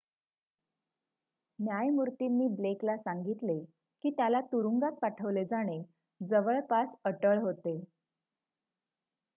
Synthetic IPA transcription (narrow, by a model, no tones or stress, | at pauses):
njajmuɾt̪inːiːbleklasaŋɡit̪le | kiːt̪jalat̪uɾuŋɡat̪̚paʈʰəʋled͡zaɽ̃e | d͡zəʋəɭpasəʈəɭɦot̪e